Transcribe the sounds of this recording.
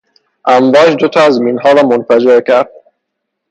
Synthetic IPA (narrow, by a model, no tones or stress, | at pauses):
ʔæɱvɒːd͡ʒd̪ot̪ʰɒːæzminɦɒːɾɒːmonfæd͡ʒeɾcʰæɾd̪̥̚